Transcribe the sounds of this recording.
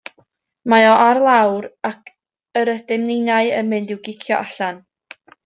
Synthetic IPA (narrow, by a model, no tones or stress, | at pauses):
maɔʔarlˠawɾakʰ | əɾədɪmninaɨə̰mɨndɪwɡɪkʰjɔʔaɬan